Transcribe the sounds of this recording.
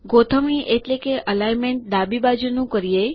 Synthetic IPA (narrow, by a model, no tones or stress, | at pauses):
ɡot̪ʰəmĩʔeʈlekeʔəlajmeɳʈ̚d̪abibad͡ʒunũkəɾije